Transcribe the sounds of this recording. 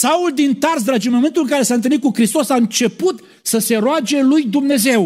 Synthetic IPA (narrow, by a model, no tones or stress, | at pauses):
sauld̪int̪ars̬d̪ɾad͡ʒinmoent̪ulɨŋkaɾe̞saɨnt̪ɨlnit̪̚kukɾist̪o̞saɨnt͡ʃe̞put̪ | səse̞ɾoad͡ʒe̞lujd̪umne̞ze̞w